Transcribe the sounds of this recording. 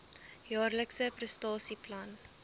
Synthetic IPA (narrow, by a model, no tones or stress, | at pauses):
jɑːrləksəprəstɑːsiplɐn